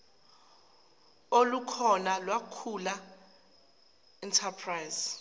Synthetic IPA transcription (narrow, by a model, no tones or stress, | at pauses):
olukʰɔnalwakʰula | ɛntʰapʰrajz